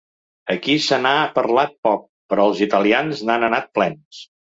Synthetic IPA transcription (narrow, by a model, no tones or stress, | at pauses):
əkisənapəɾlat̪̚pɔk̚pəɾɔəlˠzit̪əlianznanənat̪̚plɛns